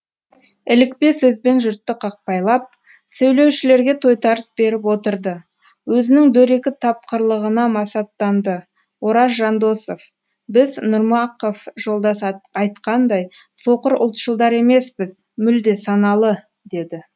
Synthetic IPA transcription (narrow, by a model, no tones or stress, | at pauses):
ɪlɪkpe̞sɵzbe̞nʒʏɾt̪ːɪqʰɑq̚pɑjlˠɑp̚ | sɵwle̞wʃɪle̞ɾɡʲe̞t̪ʰo̞jt̪ɑɾəsbe̞ɾɪp̬wo̞t̪əɾd̪ə | wɵzɪnɪŋd̪ɵɾe̞kʲɪt̪ʰɑp̚qəɾlˠəʁənɑmɑsɑt̪ːɑnd̪ə | wo̞ɾɑsʒɑnd̪o̞so̞f | bɪznʊɾmɑqofʒo̞lˠd̪ɑsɑjt̪qɑnd̪ɑj | so̞qəɾʊ̰lˠt̪ʃəlˠd̪ɑɾe̞me̞sbɪz | mʏld̪e̞sɑnɑlˠə | d̪e̞d̪ɪ